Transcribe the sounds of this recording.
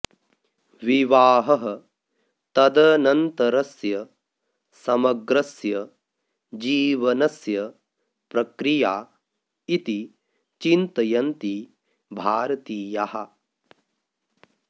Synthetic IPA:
ʋiʋaːɦɐɦɐ̆ | t̪ɐd̪ɐnɐnt̪ɐɾɐsjɐ | sɐmɐɡɾɐsjɐ | d͡ʒiːʋɐnɐsjɐ | pɾɐkɾijaː | it̪i | t͡ʃint̪ɐjɐnt̪i | bʱaːɾɐt̪iːjahɐ

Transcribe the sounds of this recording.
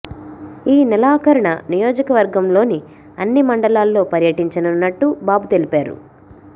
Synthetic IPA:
iːnɛlaːkɐɾɐɳɐnijoːd͡ʒɐkɐʋɐɾɡɐmlo̞ːni | ɐnːimɐɳɖɐlaːlːo̞ːpɐɾjɐʈiɲt͡ʃɐnɐnːɐʈːubaːbut̪e̞lipaːɾṵ

